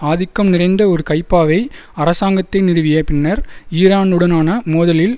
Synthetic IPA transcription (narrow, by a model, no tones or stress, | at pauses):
aːðɪkːɐmnɪrɐɪnd̪ɐɔɾɯkɐɪpːaːʋɐɪ | ɐrɐsaːŋɡɐt̪ːɐɪnɪrɯʋɪjɐpɪnːɐɾiːɾaːnɯɽɐnaːnɐmoːðɐlɪl